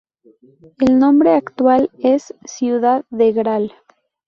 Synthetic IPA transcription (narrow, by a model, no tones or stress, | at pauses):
elnõ̞mbɾeakt̪walesːjuðaðːeɣɾal